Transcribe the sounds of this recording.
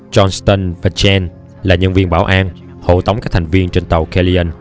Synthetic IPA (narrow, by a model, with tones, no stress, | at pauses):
t͡ɕɔ˧nst̪ə˧nva˨˧˩t͡ɕɛ˧n | laː˨˩ɲə˧nvi˧ənɓaː˧˩wʔaː˧n | ho̰˧˨t̪ə˨˦wŋ͡mkaː˦˥t̪ʰa˨˩ŋ̟vi˧ənt͡ɕe˧nt̪ə˨˩wkɛ˧li˧ʔə˧n